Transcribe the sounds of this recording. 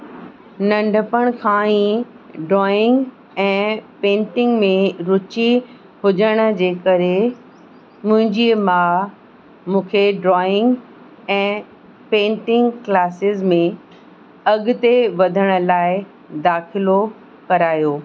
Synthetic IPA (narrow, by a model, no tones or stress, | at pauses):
nɐ̃ɳɖʱəpəɽ̃kʰãːĩː | ɖɾɔːɪ̃ŋɡ | ɛ̃ːpẽːɳʈɪ̃ŋɡmẽɾʊt͡ɕi | hʊd͡ʑəɽ̃ə̆d͡ʑeːkɐɾe | mʊ̃ɦɪ̃ɲd͡ʑimaː | mũːkʰeɖɾɔːɪ̃ŋɡ | ɛ̃ː | pẽːɳʈɪ̃ŋɡklaːsɪzmẽ | ɐɠʊt̪eʋɐd̪ʱəɽ̃̆laːɪ | d̪aːxɪlo | kɐɾaːjoː